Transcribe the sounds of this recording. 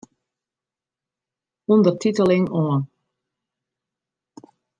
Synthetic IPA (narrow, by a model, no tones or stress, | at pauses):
undərtitəlɪŋɔən